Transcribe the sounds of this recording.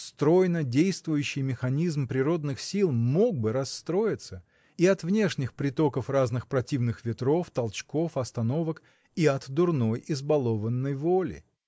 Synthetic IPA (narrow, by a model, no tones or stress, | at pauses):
st̪ɾo̞jnədʲejst̪vʊjʉɕːɪjmʲɪxɐnʲizmpɾʲɪɾo̞d̪nɨxsʲilˠmo̞ɡ̚bɨɾɐsːt̪ɾo̞jɪt̪sə | iɐt̪vnʲe̞ʂnʲɪxpɾʲɪt̪o̞kəfraznɨxpɾɐtʲivnɨxvʲɪt̪ɾo̞ft̪ɐlˠt͡ɕko̞fɐst̪ɐno̞vək | iɐt̪d̪ʊrno̞jɪzbɐlˠo̞vənːəjvo̞lʲɪ̰